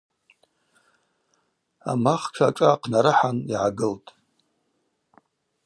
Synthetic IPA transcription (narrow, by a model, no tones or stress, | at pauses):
a̰maχt͡ʃʰaːʈ͡ʂʼaqʰnaɾɨħaniʕaɡɨltʼ